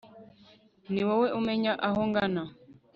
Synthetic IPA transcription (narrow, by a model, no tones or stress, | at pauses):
niwɔwɛʔumɛɲaʔaɦɔŋɡana